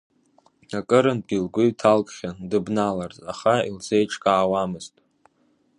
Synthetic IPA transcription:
akʼɨɾɨnbilɡʷʊɥtʰalkʼχʲandɨbnalarzaχaild͡zejʈ͡ʂʰʼkʼaːwamɨztʼ

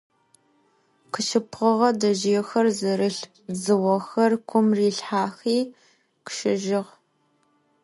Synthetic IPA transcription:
qʰəʃɪpʁəʁɐdɐʒixɐrzɨɾɨɬ | zɨwɐxɐrkʷʰʊmriːɬħaːxiː | qʃɪʒɪʁ

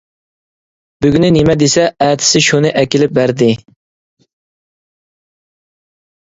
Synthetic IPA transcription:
byɡʲynɪnɪmɛd̪esɛɛːt̪ʰɪ̥sɪʃunɨʔɛkʲilɪp̚bæɾd̪ɪ

